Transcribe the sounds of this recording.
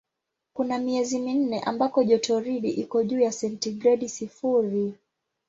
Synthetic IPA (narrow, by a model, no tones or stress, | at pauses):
kunamiɛzimin̩nɛʔa̰mbakɔʄɔtɔɾiɗiʔikɔʄuːjasɛntiɡɾɛɗisifuɾi